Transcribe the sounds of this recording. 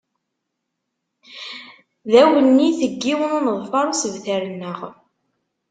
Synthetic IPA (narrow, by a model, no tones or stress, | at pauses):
ðæwənːiθəɡːiwənunəðˤfɑɾˤusəvθæɾənːəʁ